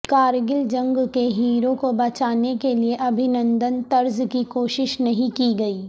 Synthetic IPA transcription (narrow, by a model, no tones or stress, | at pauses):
kaːɾɡɪld͡ʒɐ̃ŋɡkeɦiːɾõkobɐt͡ʃaːnekelieʔɐbʱɪnə̃nd̪ənt̪ɐɾzkikoːʃɪʃnɐɦĩkiɡɐiː